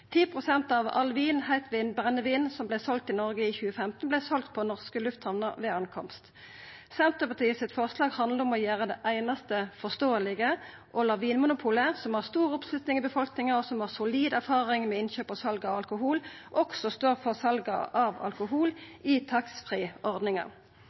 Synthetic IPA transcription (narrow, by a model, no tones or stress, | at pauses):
t̪ʰiːpʰʁʊsɛnt̪ɑʋɑ̰lʋiːnhæɪt̪ʰʋiːnbʁɛnːəʋiːnsɔmblæɪsɔl̚t̪ɪnɔʁɡəiːçʉːəfɛmt̪n̩blæɪsɔlt̪̚pʰɔnɔʁskəlʉft̪hɑʋnəʁʋɛːɑnkʰɔ̰mst̪ | sɛnt̪əpɑt̪ʰiːəsɪt̪fɔʁslɑːɡhɑnd̪ləʁɔmɔjæːʁəd̪ɛʔæɪnɑst̪əfɔʁst̪oːəlɪɡə | ʔɔlɑʁʋiːnmʊnʊpʰuːləsɔmhɑːʁst̪uːʁɔpslʉt̪nɪŋɪbəfɔlknɪŋɑɔsɔmhɑːʁsʊliːd̪æʁfɑːʁɪŋmɛɪnçøːpɑsɑlɡɑɑʋɑlkʊɦuːlʔɔksɔst̪øːʁfɔʁsɑlɡɑ̰ʔɑʋɑ̰lkʊɦuːlɪt̪ʰɑksfʁiːʔɔʁd̪nɪŋɑ̰